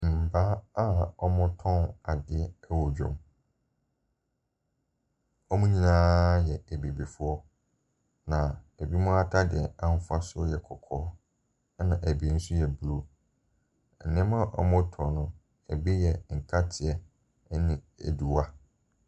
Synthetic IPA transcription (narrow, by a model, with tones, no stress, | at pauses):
m̩˨ba˦a˦ɔ˦mʊ̃˦tʰɔ̃˦na˨dɪ˦ɛ˦wɔ˨d͡ʑᶣʊ̰̃˨m | ɔ˦mʊ̃˦ɲĩ˦nãː˦jɛ˨æ˨bi˨bi˨fʊ˦ɔ˦ | nã˨ | æ˨bi˦mʊ̃˦a˦tʰa˦dɪ˨ɛ˨ã˦m̩˦fa˦sʊ˦jɛ˨kʰɔ˨kʰɔː˦ | nã˨ʔæ˨bi˨˦n̩˦sʊ˦jɛ˨bɾu˦˨ | nɪ̃˦mã˦˨ʔɔ̰˦mʊ̃˦tʰɔ̃˨nʊ̃˨ | æ̰˨bi˦jɛ˨ŋ̩˨kʰa˦tʰɪ˨ɛ˨˦ | nɪ̃˨ | ḛ˨du˨wa˦